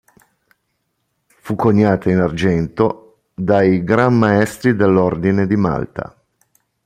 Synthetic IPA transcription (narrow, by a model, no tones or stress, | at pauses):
fukːoɲːaːt̪ainard͡ʒɛnt̪o | d̪ajɡɾamːaɛst̪ɾid̪elːord̪ined̪ima̰lt̪a̰